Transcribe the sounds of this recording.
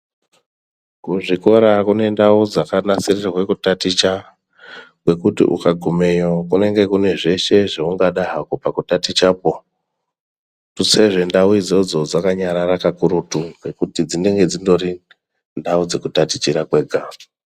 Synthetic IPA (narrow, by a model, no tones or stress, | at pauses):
kuʐiko̞ɾakune̞ndaud͡zakanasirirawe̞kutatit͡ʃa | kwe̞kutḭʔṵkaɡʱume̞jokune̞ŋɡe̞kune̞ʐe̞ʃe̞ʐeuŋɡaɗaɦakupakutatit͡ʃapo | tuse̞ʐe̞ndauid͡zo̞d͡zo̞d͡zakaɲaɾaɾakakuɾutukwe̞kutid͡zindeŋɡe̞d͡zindo̞ri | ndaud͡ze̞kutati̥t͡ʃiɾakwe̞ːɡʱa